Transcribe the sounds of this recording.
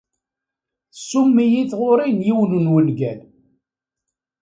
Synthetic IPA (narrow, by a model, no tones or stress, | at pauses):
θsːumːijiθʁʊɾinjiwnunwənɡæl